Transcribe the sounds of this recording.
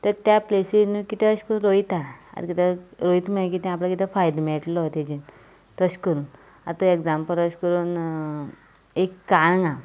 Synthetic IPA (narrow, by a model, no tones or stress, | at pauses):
t̪əɾt̪japlesinukit̪eəɕkəɾunɾoit̪aa̰ɾkit̪aɾoit̪mek̬it̪ɛ̃aplakit̪efajd̪meʈlɔt̪ed͡ʑin | t̪əɕkəɾuːn | a̰t̪oekd͡zampəlɾəɕkəɾuːn | ekːanŋɡa